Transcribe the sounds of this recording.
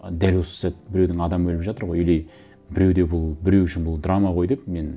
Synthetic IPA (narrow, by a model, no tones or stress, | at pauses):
d̪ælwo̞sə̥sæt̪̚bɪɾe̞wd̪ɪŋɑd̪ɑmbɵlɪpʒɑt̪əɾʁo̞jelej | bɪɾe̞wd̪e̞bʊlˠbɪɾe̞wʏʃɪnbʊlˠd̪ramɑʁo̞jd̪ep̚me̞n